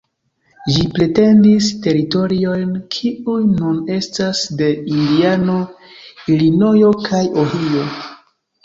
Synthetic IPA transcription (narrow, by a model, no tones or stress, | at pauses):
ʒipɾe̞te̞ndiste̞ɾito̞ɾio̞jnkʰiujnune̞stasde̞indiano̞ | ilino̞jo̞kʰajoɦijo̞